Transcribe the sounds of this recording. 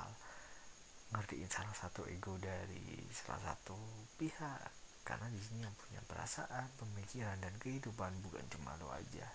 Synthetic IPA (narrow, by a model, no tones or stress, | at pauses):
l | ŋərdiʔinsalahsat̪uʔḛɡodaɾḭsala̰sa̰t̪upihakːa̰rnadisinijaŋpuɲa̰pəɾa̰saʔanpəmikiɾandankəhidupanbuka̰nt͡ʃuma̰lo̰a̰d͡ʒa̰